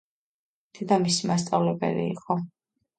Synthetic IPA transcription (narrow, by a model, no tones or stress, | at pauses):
d̪̥ʰɛd̪amisimast̪sʼavlɛbɛ̰lḭḭqʼɔ